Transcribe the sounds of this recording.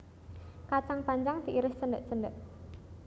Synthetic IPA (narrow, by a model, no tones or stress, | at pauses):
kat͡ʃaŋpaɲd͡ʒaŋd̪iʔiɾɪst͡ʃəndəʔt͡ʃəndəʔ